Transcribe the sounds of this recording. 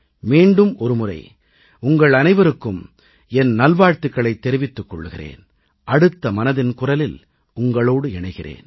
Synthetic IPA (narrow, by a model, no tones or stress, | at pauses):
miːɳɖɯmɔɾɯmʊrɐ̰ɪ | ʊŋɡɐɭɐnɐɪʋɐɾɯkːɯm | ɛnnɐlʋaːɻt̪ɯkːɐɭɐɪt̪ːɛɾɪʋɪt̪ːɯkːɔɭːɯɣɪrḛːn | ʔɐɽɯt̪ːɐmɐnɐðɪnkʊrɐlɪl | ʊŋɡɐɭoːɽɯɛɳɐɪɣɪrḛːn